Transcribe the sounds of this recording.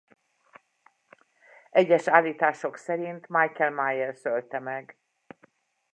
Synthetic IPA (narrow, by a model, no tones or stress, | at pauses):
ʔɛɟːɛʃaːlːiːt̪aːʃo̞ksɛɾint̪majkɛlmaːjɛrsølt̪ɛmɛɡ